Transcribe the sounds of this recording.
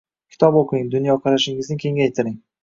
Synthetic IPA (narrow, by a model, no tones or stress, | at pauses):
kʲʰɪ̥t̪ʰɒboqʰiŋd̪ʊnjɒqʰɑɾaʃɪŋɪznɪkʲʰe̞ŋɡʲajt̪ʰɪɾɪŋ